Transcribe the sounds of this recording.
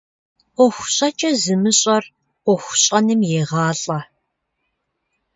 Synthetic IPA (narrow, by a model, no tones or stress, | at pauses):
ʔʷɔxʷɕʼɐt͡ʃʼɐzɨmɨɕʼɐr | ʔʷɔxʷɕʼɐnɨmjeːʁɑːɮʼɐ